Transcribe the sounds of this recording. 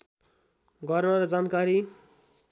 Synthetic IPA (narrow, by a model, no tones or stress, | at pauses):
ɡʌrnʌɾʌd͡zankaɾi